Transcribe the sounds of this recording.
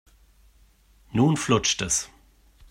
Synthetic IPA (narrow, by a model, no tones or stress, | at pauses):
nuːnflʊt͡ʃtəs